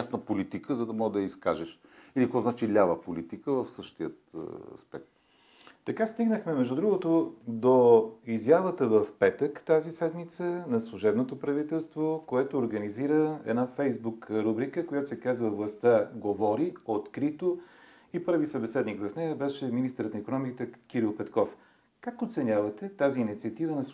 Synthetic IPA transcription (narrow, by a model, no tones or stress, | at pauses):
jasnəpolit̪ikəzɐd̪ɐmɔʒd̪ɐjəiskaʒɛʃilikɔzat͡ʃilʲavəpolit̪ikəvəfsəʃt̪iət̪ɐ̰spɛk̚t̪ | t̪ɐkast̪iɡnəxmɛmɛʒd̪ud̪ɾuɡot̪od̪oizjavət̪əvəfpɛt̪əkt̪azisɛd̪mit̪sənɐslˠuʒɛbnot̪opɾɐvit̪ɛlˠst̪vokoɛt̪oːɾɡəniziɾəɛ̰d̪nafɛjzbukɾubɾikəkojat̪o̥sɛkazvəvlˠɐst̪aɡovɔɾiot̪kɾit̪o | ipɤɾvisəbɛsɛd̪nikvɐfnɛjəbɛʃɛminist̪əɾət̪nikonɔmikit̪ɛkiɾilˠpɛt̪kɔf | kakot̪sɛnʲjavət̪ɛt̪aziːnit̪siət̪ivənɐs